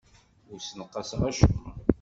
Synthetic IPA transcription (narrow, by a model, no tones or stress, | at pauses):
ʊɾsnəqːɑsʁæʃṵ